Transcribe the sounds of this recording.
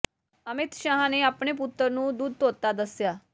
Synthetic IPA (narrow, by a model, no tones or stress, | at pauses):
əmit̪ɕaɦaneapɳeput̪ːəɾnũːd̪uːd̪̚ʱt̪ot̪ad̪əsja